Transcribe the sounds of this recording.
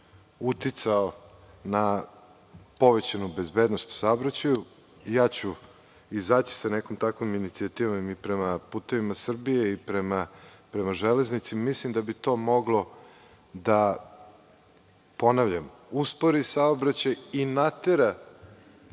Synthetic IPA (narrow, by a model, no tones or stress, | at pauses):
ut̪it̪sao | na | po̞ʋet͡ɕanube̞zbed̪nost̪saobɾat͡ɕaju | jaːt͡ɕu | izaːt͡ɕi̥sanekomt̪akʋominit̪siat̪iːʋomipɾemapuːt̪e̞ʋimasr̩bije̞ipɾemapɾemaʒele̞znit̪simislimd̪abit̪o̞mo̞ɡlo̞ | d̪a | po̞naʋʎamuspoɾisaobɾat͡ɕajinat̪e̞ɾa